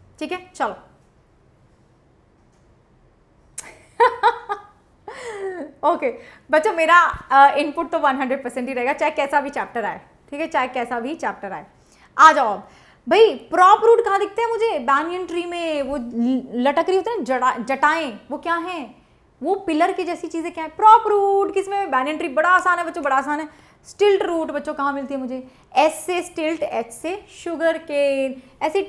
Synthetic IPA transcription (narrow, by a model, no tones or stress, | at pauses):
ʈʰiːkɦɛt͡ʃɐlo | oːkebɐtːʃomeːɾaɪnpʊʈ̚t̪oʋɐ̃nɦɐ̃ɳɖɾeɖ̚pɐɾsɛ̃ɳʈɦiɾɐɦeːɡat͡ʃaːɦekɛːsabʱit͡ʃɛːp̚ʈəɾaːḛː | ʈʰiːkɦɛt͡ʃaːɦekːɛːsabʱit͡ʃɛːp̚ʈəɾaːeː | aːd͡ʒab | bʱaipɾɔːpɾuːʈkɐɦãd̪ɪk̚ʰt̪ẽɦɛ̃mʊd͡ʒʱebɛːniə̃ɳʈɾimẽʋolɐʈəkɾiɦoːt̪end͡ʒɐad͡ʒɐʈaːẽʋokjaːɦɛ̃ | ʋopɪləɾked͡ʒɛːsit͡ʃiːzẽkjaːɦɛ̃pɾɔːpɾuːʈkɪsmẽbɛːnə̃ɳʈɾibɐɽaaːsaːnɦɛbɐtːʃõbɐɽaːsaːnɦɛ | sʈɪlʈɾuːʈbɐtːʃõkɐɦãmɪlt̪iɦɛ̃mʊd͡ʒʱe | ɛːsːesʈɪlʈɛːsseʃʊɡəɾke | ɛːsi